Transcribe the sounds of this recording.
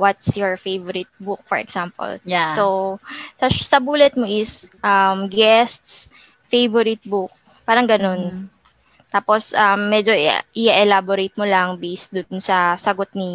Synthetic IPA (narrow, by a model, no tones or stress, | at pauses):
wɐt̪̚sjɔɹfejvɔɾɪt̪̚buk̚fɔɹɛ̰ksampɔ̰lsosɐsɐbuːlɛt̪̚moʔɪsʔɐmɡɛst̪s | fejvɔɾɪt̪̚buk̚ | paːɾɐŋɡɐno̞n | t̪aːposʔɐmːɛd͡ʒoʔɪaʔɛlaboɾejt̪̚molɐŋbejsd̪ʊnsɐsɐɡot̪̚nɪ